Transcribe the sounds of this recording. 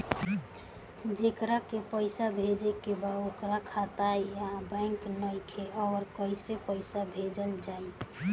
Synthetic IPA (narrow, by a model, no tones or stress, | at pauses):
d͡ʒekɾakepəɪsabʱed͡ʒekebaokɾakʰat̪ajjabə̃ɪŋknəjkʰeʔɔːɾkəisepəɪsabʱed͡ʒəld͡ʒai